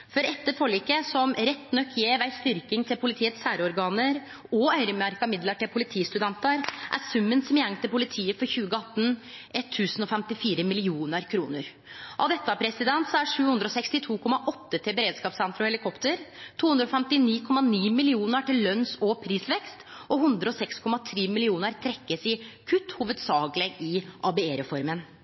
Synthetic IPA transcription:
fɔɾɛt̪ːəɾfɔɭiːkəsɔmɾɛt̪ːnœkːjeːʋæɪst̪ʏɾkɪŋt̪ʰɪlpʰʊlɪt̪ʰiːət̪sæːɾɔɾɡɑːnəɾ | ɔœʏɾəmæɾkɑmɪd̪ləʈɪlpʰʊlɪt̪ʰiːst̪ʉd̪ɛnt̪əɾʔæ̰ɾsʉmːənsɔmjɛŋt̪ʰɪlpʊlɪt̪ʰiːəfɔɾçʉːɡəɑt̪ːn | ʔɛt̪ʰːʉːsənɔfɛmt̪ɪfiːɾəmɪlɪuːnəɾkʰɾuːnəɾ | ʔɑ̰ʋd̪ɛt̪ːəæpʰɾɛsɪd̪ɛnt̪sɔæʂʉːhʉnd̪ɾɔsɛkst̪ɪt̪ʰuːkʰɔmːɑʔɔt̪ːət̪ʰɪlbəɾeːd̪skɑːpsɛnt̪ɾɔhɛlɪkʰɔpt̪əɾt̪ʰuːnd̪ɾɔfɛmt̪ɪniːkʰɔmːɑniːmɪlɪuːnəʈɪlːœnsopʰɾiːsʋɛkst̪ʔɔhʉnd̪ɾəɔsɛkskʰɔmɑt̪ʰɾeːmɪlɪuːnəɾt̪ʰɾɛkːəsɪkʰʉt̪ːhuːʋəd̪sɑːɡlɛɡɪʔɑbɛeːɾəfɔɾmən

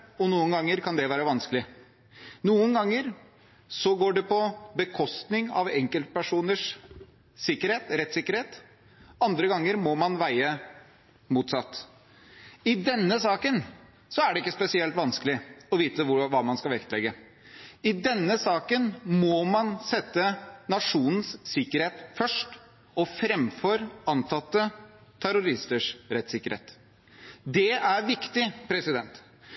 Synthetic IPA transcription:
ɔnuːənɡɑŋːəɾkʰɑnd̪ɛʋæːɾəʋɑnskəlɪ | nuːənɡɑŋːəɾ | sɔɡoːɖɛpɔbəkʰɔst̪nɪŋɑ̰ʋɛŋkəlt̪̚pæʂuːnəʂ | sɪkːəɾheːt̪ɾɛt̪sɪkːəɾheːt̪ | ɑnd̪ɾəɡɑŋːəɾmɔmɑnʋæɪə | muːt̪sɑt̪ː | ɪd̪ɛnːəsɑːkən | sɔæɖɛɪkːəspɛsɪɛlt̪ʋɑnskəlɪɔʋiːt̪əʋʊʋɑːmɑnskɑʋɛkt̪lɛɡːə | ɪd̪ɛnːəsɑːkənmɔmɑnsɛt̪ːənɑʂuːnən̩ssɪkːəɾheːt̪fœʂʈ | ɔfɾɛmfɔɾɑnt̪ʰɑt̪ːət̪ʰæɾʊɾɪst̪əʂɾɛt̪sɪkːəɾhḛːt̪ | d̪ɛæɾʋɪkt̪ɪpʰɾɛsɪd̪ɛnt̪

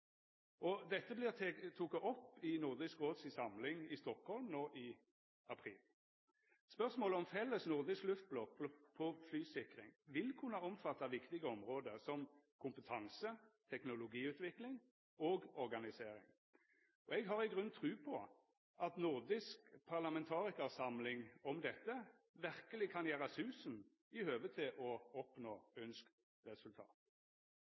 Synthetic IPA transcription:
ʔɔd̪ɛt̪ːəblɪʁʰt̪ʰukɑʔɔpːɪnʊʁd̪ɪskʁoːd̪sisɑmlɪŋɪst̪ɔkhɔlmnoːʔɪ | ɑpʰʁḭːl | spœʁsmoːləɔmfɛlːəsnʊʁd̪ɪsklʉft̪̚blɔk̚pʰɔflyːsɪkʁɪ̰ŋʋɪlkʰʉnəɑɔmfɑt̪ːɑʋɪkt̪ɪɡəɔmʁoːd̪əsɔmkʰʊmpət̪ʰɑŋsət̪ʰɛknʊlʊɡiːʉːt̪ʋɪklɪŋ | oːɡɔʁɡɑnɪseːɾɪ̰ŋ | ɔɛɡɦɑʁɪɡʁʉnt̪ʰʁʉːpʰɔ | ɑt̪nʊʁd̪ɪskpʰɑʁlɑmɛnt̪ʰɑːʁɪkəsɑmlɪŋɔmd̪ɛt̪ːə | ʋæʁkəlɪkʰɑnjæːʁəsʉːsn̩ | ɪhøːʋət̪ʰɪlʔɔɔpnoːœnskt̪ | ʁɛsʉlt̪ʰɑ̰ːt̪

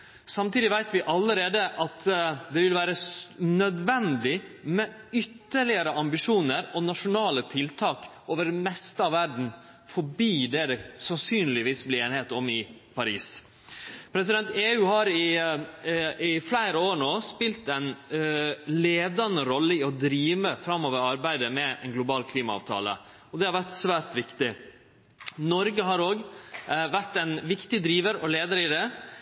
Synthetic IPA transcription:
sɑmt̪iːd̪ɪʋæɪt̪ʋɪʔɑlːəɾeːd̪əʔɑt̪d̪ɛʋɪlʋæːɾənœd̪ʋɛnd̪ɪmɛʏt̪ːəɭɪəɾəʔɑmbɪʂuːnəɾɔnɑʂʊnɑːlət̪ʰɪlt̪ʰɑːk | oːʋəɖɛmɛst̪əɑʋæɾɖɳ̩ | fɔbiːd̪ɛd̪əsɑnsyːnlɪʋiːsblɪeːnɪheːt̪ɔmɪpʰɑɾḭːs | pʰɾɛs̬ɪd̪ɛnt̪eːʉːhɑɾɪ | ɪflæɪɾəoːɾɳoːspɪlt̪ɛɪn | leːd̪ɑnəɾɔlːəɪɔd̪ɾiːʋəfɾɑmːoːʋəɾɑɾbæɪd̪əmɛɛ̰nɡlʊbɑːlkʰliːmɑɑ̰ːʋt̪ʰɑ̰ːlə̰ | ɔd̪ɛhɑɾʋæɾʈ̪sʋæːɾt̪ʋɪkt̪ɪ | nɔɾɡəɦɑɾoːɡʋæʈ̪ɛnʋɪkt̪ɪd̪ɾiːʋəɾɔleːd̪əɾɪd̪ɛ

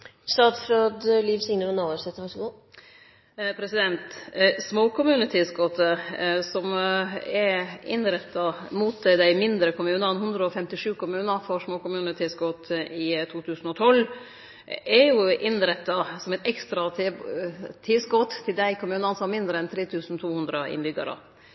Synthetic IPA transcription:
sɑːd̪fɾod̪liːʋsɪŋnəʋənɑɾsɛt̪əʋɑʂɡu | pʰɾɛsɪd̪ɛnt̪smoːkʊmʉːnət̪ʰɪskɔt̪əsɔmɛɾɪnɾɛt̪ːɑmuːt̪d̪æɪmɪnd̪ɾəkʊmʉːnəɛnɦʉnd̪ɾəɔfɛmt̪ɪʂʉːkʊmʉːnəɾfɔɾʂmoːkʊmʉːnət̪ʰɪskɔt̪ɪt̪ʰuːt̪ʰʉːsn̩ɔt̪ʰɔlː | ɛɾjʊʔɪnɾɛt̪ːɑsɔmɛɪt̪ɛkst̪ɾɑ | t̪ʰɪsɡɔt̪t̪ʰːɪld̪æɪkʊmʉːnɑnsɔɑmɪnd̪ɾəɛnt̪ʰɾeːt̪ʰʉːsn̩t̪ʰuːhʉnd̪ɾəʔɪ̰nbʏɡɑ̰ɾə̰

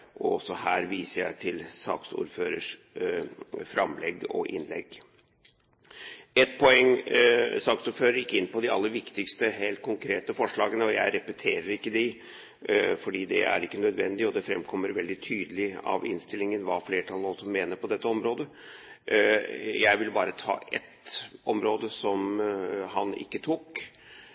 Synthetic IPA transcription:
ʔɔɔsːɔhæːɾʋiːsəjæɪt̪ʰɪlsɑ̰ːksṵːɾføːɾəʂ | fɾɑmlɛɡɔ̰ʔɪ̰nlɛ̰ɡ | ɛt̪̚pʰɔɛŋ | sɑːksʊɾføːɾəɾjɪkːɪnːpɔd̪ɪɑ̰lːəʋɪkt̪ɪkst̪əɦeːlt̪̚kʰʊŋkʰɾeːt̪əfɔʂɭɑːɡənəɔjæɪɾɛpɛt̪ʰeːɾəɾɪkːəd̪ɛ | fɔɖiːd̪ɛ̰æ̰ɾɪkːənœd̪ʋɛnd̪ɪɔd̪ɛfɾɛmkʰɔmːəɾʋɛld̪ɪt̪ʰyːd̪əlɪɑ̰ʋɪ̰nst̪ɪlɪŋənʋɑ̰fleːʈʰɑlˠɔsɔmːeːnəpɔd̪ɛt̪ːəɔmɾoːd̪ə | jæɪʋɪlbɑːɾət̪ʰɑ̰ːʔɛ̰t̪ʔɔmɾoːd̪əsɔmhɑnɪ̰kːət̪ʰuːk

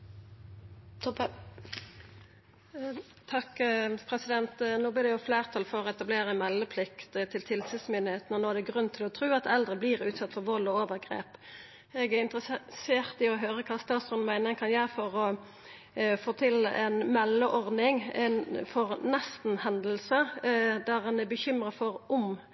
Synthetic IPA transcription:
t̪ʰɔp | t̪ʰɑkːpʰʁɛsɪd̪ɛnt̪noːblɪʁd̪ɛjʊfleːʁt̪ʰɑlfɔʁɔɛt̪ɑbleːʁəmɛlːəpʰlɪkt̪t̪ʰɪlt̪ʰɪlsʉːsmʏnɪheːt̪nɔnoːæd̪ɛɡʁʉnt̪ʰɪlɔt̪ʰɾʉːɑt̪ɛld̪ʁəbliːʁʉːt̪sɑt̪ːfɔʁʋɔlɔoːʋəɾɡʁḛːp | ɛɡæɾɪnt̪ʁəseːʁt̪ɪɔɦøːʁəkʰɑːst̪ɑːt̪sʁɔnmæɪnəŋkʰɑnjæɪfɔʁɔ | foːt̪ʰɪlʔɛnmɛlːəʔɔʁd̪nɪŋɛnfɔʁnɛst̪n̩hɛnd̪əlsəd̪æʁɛnæbəçʏmʁəfɔʁʊm

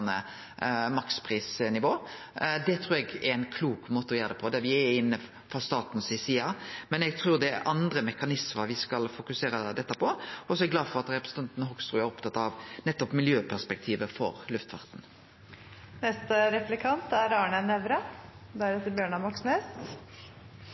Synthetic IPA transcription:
nə̰ | mɑkspʰʁiːsnɪʋoː | d̪ɛt̪ʰɾʉːɾɛɡɛɾɪnkʰluːkmoːt̪əɔjøːɾd̪ɛpʰɔd̪ɛʋɪɛɪnːə | fɔst̪ɑːt̪n̩sɪsiːɑmɛnɛɡ̚t̪ʰɾʉːʁd̪ɛɛʔɑnd̪ɾəmɛkɑnɪsməɾʋɪskɑlfʊkʉseːɾəd̪ɛt̪ːəpʰɔɔsɔɛɡlɑːd̪fɔɾɑt̪ɾɛpɾɛsn̩t̪ɑnt̪nɔɦɔkst̪ɾʉæɾɔpt̪ʰɑt̪ːɑʋnɛt̪ːɔpmɪljøːpʰæspɛk̚t̪ʰiːʋəfɔ̰ɾlʉft̪fɑ̰ɾt̪n̩ | nɛst̪əɾɛflɪkʰɑnt̪æɾɑːɳənɛʋɾɑd̪æɾɛt̪ːəɾbjøːɳɑmɑksneːs

